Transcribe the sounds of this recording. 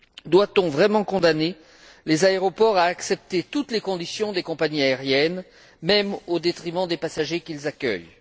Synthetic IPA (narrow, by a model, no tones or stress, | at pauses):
d̪wat̪ɔ̃vʁɛmɑ̃kɔ̃d̪ane | lezaeʁɔpɔʁaːksɛp̚t̪et̪ut̪lekɔ̃d̪isjɔ̃d̪ekɔ̃paɲiaeʁjɛn | mɛmod̪et̪χimɑ̃d̪epasaʒekʲilzakʲœ̰j